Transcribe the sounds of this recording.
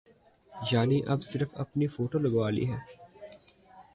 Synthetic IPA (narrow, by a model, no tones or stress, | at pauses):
jaːniʔɐbsɪɾəfɐ̰pnifoːʈolɐɡʋaːlḭɦɛː